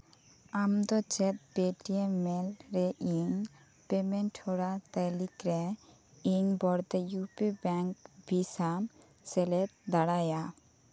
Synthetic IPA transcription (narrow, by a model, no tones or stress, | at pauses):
amd̪ɔt͡ʃɛt̪̚peʈiemɛlɾɛʔiŋ | pemɛnʈʰɔɽat̪ajlikɾɛ | iŋbɔɽt̪ɛjupibɛŋk̚bʱisam | sɛlɛt̪̚d̪aɽaja